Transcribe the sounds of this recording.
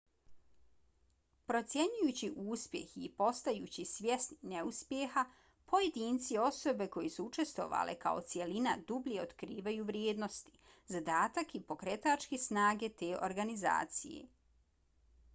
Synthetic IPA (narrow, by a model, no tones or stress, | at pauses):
pɾo̞t̪sʲje̞ɲujuːt͡ɕiʔuːspje̞̰xiːpo̞st̪ajuːt͡ɕisʋje̞snineuspjexa | pʰo̞je̞d̪iːnt̪sio̞so̞be̞ko̞jesuut͡ʃe̞st̪ʋo̞̰ʋa̰lʔḛka̰ot̪sje̞linad̪ublieot̪kɾiːʋajuʋɾjeːd̪no̞st̪i̥ | zad̪aːt̪akipo̞kɾe̞t̪at͡ʃkesnaːɡe̞t̪eːʔo̞̰ɾɡaniza̰ːt̪sijḛ